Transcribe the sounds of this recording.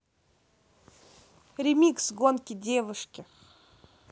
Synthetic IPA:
ɾʲɪmʲiksɡonkʲɪdʲevɨʂkʲɪ

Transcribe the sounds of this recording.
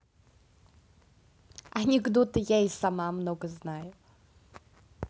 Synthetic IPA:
ɐnʲɪɡd̪ot̪əjajsamamnoɡəznajʊ

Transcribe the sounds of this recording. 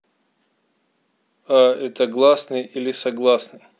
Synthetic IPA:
aɛt̪əɡlˠasnɨjilʲɪsɐɡlˠasnɨ

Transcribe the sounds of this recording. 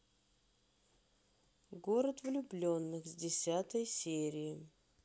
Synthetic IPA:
ɡoɾət̪vlʲʊblʲo̞nːɨxzʲdʲɪsʲat̪əjsʲeɾʲɪɪ

